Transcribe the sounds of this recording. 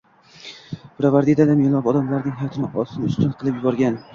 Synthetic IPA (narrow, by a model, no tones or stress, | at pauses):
pɾavaɾd̪id̪ad̪amelˠɒpɒd̪amlaɾnɪŋɦajɒt̪ʰɪnɪʔɒsɪnʊst̪ʊnqʰɨlˠɪpjʊbɒɾɡʲan